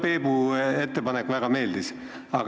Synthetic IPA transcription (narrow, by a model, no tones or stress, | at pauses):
pe̞ːbue̞t̪ːe̞pɑnekːvæɡ̥ɑme̞ːld̪is | ɑɡ